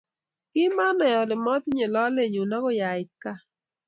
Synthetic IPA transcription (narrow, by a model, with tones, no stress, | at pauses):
kɪ˦ma˦nɔ˨jɔ˨lɪ˨mɔ˦t̪ɲe˨lɔ˦le˦˨ɲu˨na˦ko˦ja˨ɪ˨ka˦